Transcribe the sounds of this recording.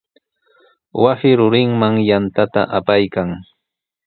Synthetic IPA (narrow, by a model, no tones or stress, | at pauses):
wasɪɾʊɾɪŋmaŋjant̪at̪a̰ʔapajkaŋ